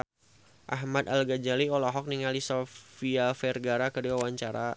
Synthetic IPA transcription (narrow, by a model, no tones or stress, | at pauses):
ʔa̰ɦmat̪alɡad͡ʒaliɔlɔɦɔk̚niŋalisɔfiafɛrɡaɾakədiwawaɲt͡ʃaɾa